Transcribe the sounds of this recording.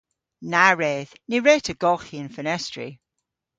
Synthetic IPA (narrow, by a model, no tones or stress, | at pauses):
naɹeːðniɹeːtʰəɡɔxiənfənɛstɹḭ